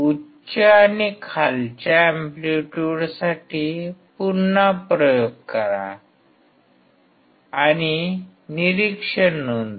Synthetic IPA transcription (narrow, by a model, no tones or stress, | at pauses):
u | t͡ɕaːnikʰalt͡ɕaɛmpluʈuɽsaʈipuɾnapɾəjoɡ̚kəɾa̰ | aɽ̃i | niɾikʂəɳːund̪